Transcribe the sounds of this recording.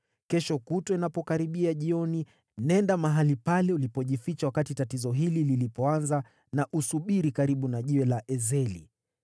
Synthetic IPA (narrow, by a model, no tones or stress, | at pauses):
kɛʃɔkutɔinapɔkaɾiɓiaʄiɔni | nɛndamaɦalipalɛulipɔʄifit͡ʃawakatitatizɔɦilililipɔanza | naʔusuɓiɾikaɾiɓunaʄiwɛlaʔɛzɛlḭ